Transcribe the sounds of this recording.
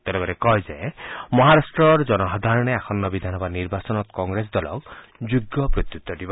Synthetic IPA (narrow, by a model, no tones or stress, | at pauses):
t̪elɔɡɔɾekɔjzemɔɦaɾasʈɾɔɾd͡ʒɔnɔɦɔd̪ʱaɾɔɽ̃eakʰɔnːɔbid̪ʱanɔbaniɾbasɔnɔt̪kɔŋɡɾes̬d̪ɔlɔ̰kd͡ʒuɡːɔpɾot̪jut̪ːɔd̪ibɔ